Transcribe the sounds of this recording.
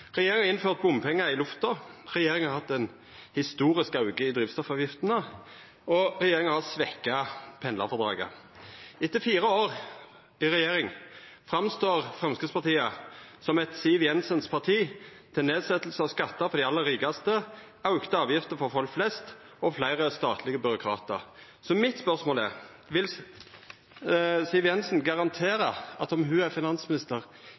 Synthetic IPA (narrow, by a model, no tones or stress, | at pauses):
ʁɛjeːɾɪŋɑʁɪnføːʁt̪̚bʊməpʰɛŋːɑɪlʉft̪ɑʁɛjeːʁɪŋɑhɑt̪ːɛn | hɪst̪uːʁɪskɑʉɡəɪd̪ʁiːʋst̪ɔfɑːʋjɪft̪ənə | ɔʁɛjeːɾɪŋənhɑsʋɛkːɑpʰɛnlɑ̰ʁfɔʁd̪ɾɑ̰ːɡə̰ | ɪt̪əfiːʁəoːʁ | ɪʁɛjeːɾɪŋ | fʁɑmst̪oːʁfʁɑmskəspɑʁt̪iːəsɔmɛt̪siʋjɛnsənspʰɑʁt̪ʰiːt̪ʰɪlneːd̪sɛt̪l̩səɑʋskɑt̪ːɑfɔɾd̪ɪɑlːəɾːiːkɑst̪ə | ɑʉkt̪əɑːʋjɪft̪əɾfɔɾfɔlkflɛst̪ | ɔflæɪʁəst̪ɑːt̪ʰlɪɡəbʏɾʊkʰʁɑ̰ːt̪ə̰ɾ | sɔmɪt̪spœʁsmoːlɛ | ʋɪl | sɪʋjɛnsnɡɑʁɑnt̪ʰeːɾəɑt̪ɔmɦʉæɾfɪnɑnsmɪnɪst̪əʁ